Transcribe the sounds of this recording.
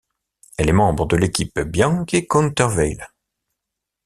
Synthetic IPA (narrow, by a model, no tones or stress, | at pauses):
ɛlɛmɑ̃bʁəd̪əlekʲipbjɑ̃kekɔ̃nt̪œʁvɛjl